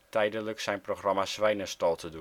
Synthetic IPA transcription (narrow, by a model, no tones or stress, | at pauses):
tɛjdələksɛjnproxrɑmasʋɛjnəstɔlˠtʰədu